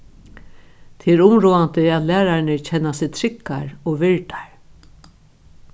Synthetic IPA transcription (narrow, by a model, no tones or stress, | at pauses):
t̪ʰeːɛɾʊmɾuːant̪əaːðlæːɾaɾnɪɹcʰɛnːasɪt̪ʰɾɪkːa̰ɹoʋɪɹʈ̪ḁɹ